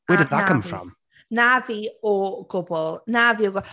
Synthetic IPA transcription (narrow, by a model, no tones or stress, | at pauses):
wədɪd̪̚ðəkʰə̃mffɹɔ̰̃m | naviːɔɡ̥ʊbɔlˠnaviːɔɡɔ